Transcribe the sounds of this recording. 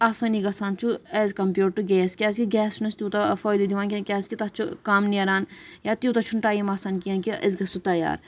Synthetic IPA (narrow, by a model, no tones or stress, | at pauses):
asɐniɡɐsaːnt͡ʃʰuezʲkɐmpjuːʈʈːuɡɛːskʲɛːskiɡʲɛːst͡ʃʰunɐst̪ʲit̪afɔːjd̪id̪iʋaːnkʲikʲɛːskit̪ɐt͡ʃʰukaːmniɐɾaːnjat̪jut̪ɐt͡ʃʰuɳʈaːjimɐsankijãːnkiɐ̰zɡɐsut̪ɐja̰ːɾ